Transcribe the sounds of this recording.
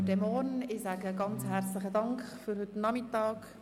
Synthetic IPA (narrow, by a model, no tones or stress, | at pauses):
dɛmɔɾnɪsaːɡəɡɑnt͡shært͡slɪχədɑŋkχfyɾhʏtnɑmɪtɑːk